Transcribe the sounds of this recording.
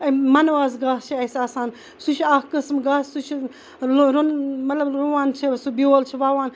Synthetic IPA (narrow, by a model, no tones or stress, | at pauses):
ɐmɐnwaːz̬ɡaːst͡ʃʰiɐsaːsaːn | sut͡ʃʰaːkkɨsmɡaːssut͡ʃʰi | lɾunmɐt̪lɐbɾuwaːnt͡ʃʰesubioːlt͡ʃʰiʋaːwaːn